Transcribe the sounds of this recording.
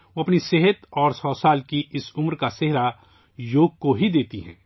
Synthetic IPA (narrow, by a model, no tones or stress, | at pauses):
ʋoɐpniseɦət̪ɔːɾsɔːsaːlkiʔɪsʊmɾkaseɦɾa | joːɡ̚koɦid̪eːt̪iɦɛ̰̃ː